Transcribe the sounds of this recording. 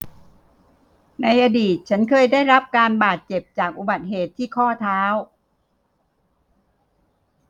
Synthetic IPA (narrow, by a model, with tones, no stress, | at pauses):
na˧jʔa˧diː˨˩t̪̚t͡ɕʰa˦˥nkʰɤː˧jdaː˥˩jɾa˦˥p̚kaː˧nbaː˨˩t̪̚t͡ɕe˨˩p̚t͡ɕaː˨˩k̚ʔu˨˩ba˨˩t̪̚ɦeː˨˩t̪ʰːiː˥˩kʰɔː˥˩t̪ʰaː˦˥w